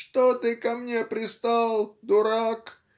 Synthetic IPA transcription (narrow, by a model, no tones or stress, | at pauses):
ʂt̪ot̪ɨkɐmnʲepɾʲɪst̪alˠd̪ʊɾak